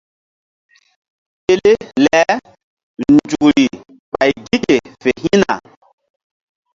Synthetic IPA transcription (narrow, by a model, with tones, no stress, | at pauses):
pe˦le˦lɛ˨˦ | nd͡ʒu˨kɾi˨ | ɓa˨jɡi˦ke˨fe˨ɦi˦na̰˨